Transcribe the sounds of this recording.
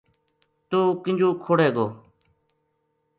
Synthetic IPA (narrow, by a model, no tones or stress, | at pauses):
t̪oːkɪnd͡ʒʱoːkʰoːɽeːɡoː